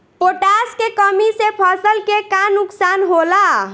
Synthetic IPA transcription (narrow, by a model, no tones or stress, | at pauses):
poʈaskekəmisepʰəsəlkekanuksanɦola